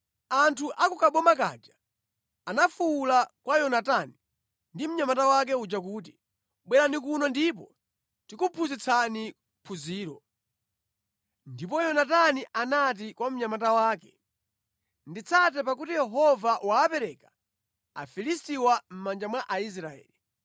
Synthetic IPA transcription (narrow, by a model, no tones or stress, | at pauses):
antʰuʔakukaɓɔmak̬a̰d͡ʒaː | nafulakwajɔnatani | ndim̩ɲamatawak̬ɛud͡ʒak̬uːt̬i | ɓwɛɾanikunɔndip̬ɔ | tikupʰuzit͡sʰani | pʰuziːɾɔ | ndipɔjɔnataniʔanat̬ikwam̩ɲamatawaːkɛ | ndit͡sʰat̬ɛpakutijɛɦɔvawaːpɛɾɛka | a̰filistiwam̩mand͡ʒamwaʔais̬ɾaɛ̰ːli